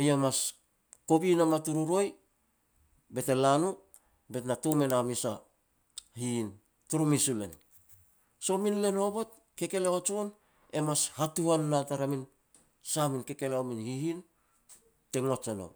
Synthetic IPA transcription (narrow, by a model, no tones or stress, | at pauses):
jamas | ko̞binamatuɾuɾo̞j | be̞te̞lanu | be̞tnatome̞namisa | hiːn | tuɾumisule̞̰n | so̞minle̞no̞bo̞t̚ | ke̞ke̞leot͡ʃon | e̞mashatuhanːataɾamin | saminke̞ke̞leominhihin | te̞ŋot͡ʃeno̰